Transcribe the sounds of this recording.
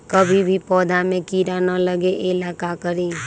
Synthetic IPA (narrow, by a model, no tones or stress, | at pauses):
kəbʱibʱipɔːd̪ʱamẽkiːɾanələɡeʔɪlaːkakəɾẽ